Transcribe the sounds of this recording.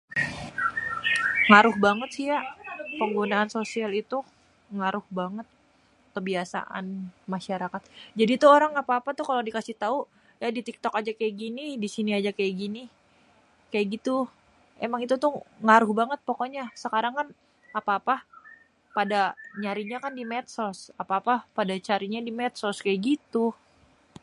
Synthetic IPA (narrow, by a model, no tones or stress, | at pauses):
ŋaɾʊhbaŋət̪̚siapəŋɡunaːnsosialit̪u | ŋaɾʊhbaŋət̪̚ | kəbiasa̰ʔa̰nmaʃaɾakat̪̚d͡ʒadit̪uoɾaŋapaːpat̪ukaladikasɪht̪au | jadit̪ik̚t̪ɔkad͡ʒakajaʔɡinidisiniad͡ʒakajaʔɡini | kajaʔɡit̪u | emaŋit̪ut̪ʊhŋaɾʊhbaŋət̪̚pokoɲasəkaɾaŋkan | apaːpa | padaɲaɾiɲakandimɛt̪̚sɔsapaːpapadat͡ʃaɾiɲadimɛt̪̚sɔskajaʔɡit̪u